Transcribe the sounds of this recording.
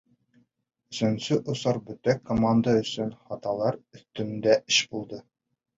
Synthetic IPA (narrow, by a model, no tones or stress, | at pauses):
ɵ̆sɵ̆nsɵʔŏsɑɾbɵt̪ækːomand̪əɵ̆sɵnχɑt̪ɑlˠɑɾɵ̆θt̪ɵ̆nd̪æʔɘɕbulˠd̪ɤ